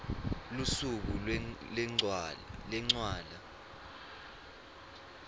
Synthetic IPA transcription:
lusuk̬ulɛŋ͡ǀlɛŋ͡ǀwaːla

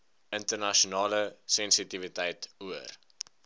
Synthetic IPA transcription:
əntərnɐʃonɑːləsɛnsitivitɛjtuər

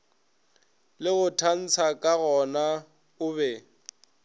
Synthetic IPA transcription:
lɪɣʊtʰan̩t͡sʰakʼaɣɔna | ʊβɛ

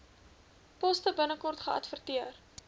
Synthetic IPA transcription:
pɔstəbənəkɔrtχəʔɐ̰tfərtiər

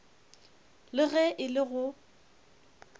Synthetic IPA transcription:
lɪɣɛʔɪlɪɣʊ

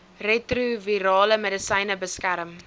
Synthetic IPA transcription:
retruviɾɑːləmedəsɐjnəbəskæɾəm

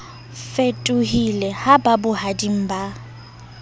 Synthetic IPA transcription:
fetʼʊɦilɛhababʊhadiŋ̩ba

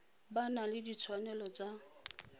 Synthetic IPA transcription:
banalɪdit͡sʰwanɛlɔt͡sa

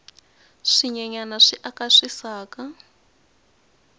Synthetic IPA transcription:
ʂiɲɛɲanaʂiʔakaʂisaːka

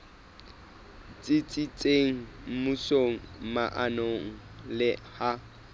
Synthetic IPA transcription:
t͡sʼɪt͡sʼɪt͡sʼeŋ̩mʊsoŋ̩maʔanoŋ̩ | lɪha

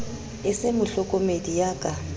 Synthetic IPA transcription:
ɪsemʊɬɔkʼɔmedijaːkʼa

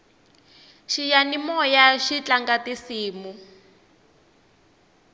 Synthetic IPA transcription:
ʃijanimɔjaʃit͡ɬaŋɡatisiːmu

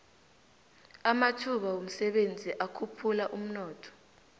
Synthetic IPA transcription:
amatʰuɓawom̩sɛɓend͡zʱiʔakʰupʰulaʔum̩nɔːtʰɔ̥

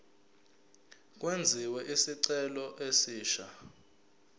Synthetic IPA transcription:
k̬wend͡zʱiwɛʔisiǀɛlɔʔesiːʃa

